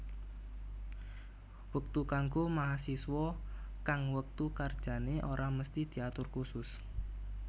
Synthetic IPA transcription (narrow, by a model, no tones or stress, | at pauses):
wək̚t̪ukaŋɡomaɦasiswɔkaŋwək̚t̪ukard̥ʒ̥a̤neʔoɾʔaməst̪id̪̥i̤at̪ʊrkusʊs